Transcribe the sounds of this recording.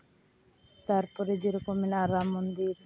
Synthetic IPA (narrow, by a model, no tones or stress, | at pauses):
t̪aɾpɔɾed͡ʒeɾokominaɾamond̪iɾ